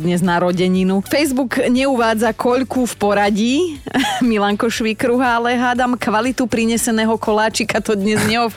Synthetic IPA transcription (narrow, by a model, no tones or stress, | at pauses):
d̪ɲɛznaɾɔɟɛɲinufɛjzbukɲɛuʋaːd͡zakʰɔʎkufpɔɾaɟiːmilaŋkɔʃʋikɾuɦaalɛɦaːd̪amkʋalit̪upɾiɲɛsɛnɛːɦɔkʰɔlaːt͡ʃikat̪ɔd̪ɲɛzɲɛɔf